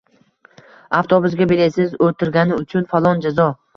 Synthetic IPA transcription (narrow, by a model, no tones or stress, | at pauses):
aft̪ʰobʊzɡʲabelesɪzolt̪ʰɪɾɡʲanɪʊt͡ʃʰʊnfalˠɒnd͡ʒazɒ